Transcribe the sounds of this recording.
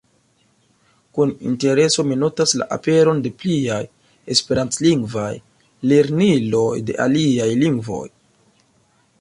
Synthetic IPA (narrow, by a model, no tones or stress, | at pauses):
kunḭnte̞ɾe̞so̞minotasla̰ʔa̰pe̞ɾo̞nde̞pliaj | e̞spe̞ɾant͡sliŋɡvaj | leɾnilo̞jde̞̰ʔaliajliŋɡvo̞̰j